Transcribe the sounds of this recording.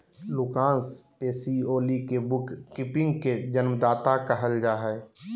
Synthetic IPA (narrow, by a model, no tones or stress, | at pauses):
lʊkãːnspeːsioːlikebʊkːɪpɪ̃ŋɡked͡ʒənmd̪aːt̪akəɦəld͡ʒaːɦɛː